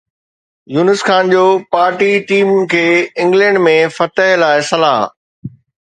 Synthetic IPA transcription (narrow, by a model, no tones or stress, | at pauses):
juːnɪsxaːnd͡ʑoːpaːɾʈiʈiːmkʰeːɪ̃ŋɡlɛ̃ːɳɖmẽfɐt̪əɦlaːɪsɐla̰ːɦ